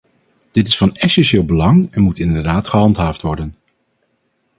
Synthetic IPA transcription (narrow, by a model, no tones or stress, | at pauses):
d̥ɪtɪsfɑnɛsɛnʃɪːlˠbəlɑŋɛnmutɪndəɹdaːtχəɦɑntɦaːftʋɔɹdən